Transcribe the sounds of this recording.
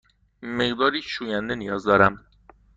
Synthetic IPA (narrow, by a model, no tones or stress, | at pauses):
meɣd̪ɒːɾiːʃuːjænd̪e̞nijɒːzd̪ɒːɾæm